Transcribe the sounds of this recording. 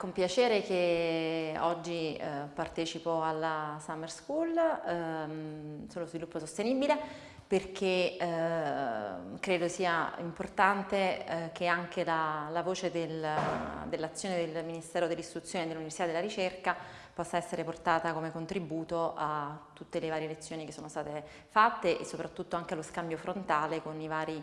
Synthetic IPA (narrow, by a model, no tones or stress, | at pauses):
kompjat͡ʃeːɾek̟e | ɔd͡ʒːipart̪ɛːt͡ʃipoalːasamerskul | solozvilupːosost̪eniːbile | perk̟e | kɾeːd̪osiːaimport̪ant̪ekeaŋk̟elalavoːt͡ʃed̪el | d̪elːat̪sːjoːned̪elminist̪ɛːɾod̪elːist̪ɾut̪sjoːned̪elːuniversit̪ad̪elaɾit͡ʃerka | pɔsːaɛsːeɾeport̪aːt̪akomekont̪ɾibuːt̪oat̪ːut̪ːelevaːɾjelet̪sːjoːnikesːoːnost̪aːt̪e | fat̪ːeʔesːopɾat̪ːut̪ːoaŋkealoskambjofɾont̪aːlekonivaːɾi